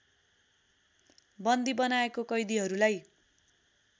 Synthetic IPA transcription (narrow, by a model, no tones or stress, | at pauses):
bʌnd̪ibʌnaekokʌjd̪iɦʌɾulaj